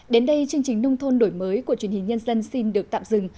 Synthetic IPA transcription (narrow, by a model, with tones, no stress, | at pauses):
ɗe˨˦nɗə˧jt͡ɕɨ˧əŋt͡ɕï˨˩ŋ̟nə˧wŋ͡mt̪ʰo˧nɗo˧˩jməː˨˦jku˧˩ət͡ɕwənhï˨˩ŋ̟ɲə˧nzə˧nsi˧nɗɨ˨˩ək̚t̪a̰ː˧˨mzɨ̰˧˩ŋ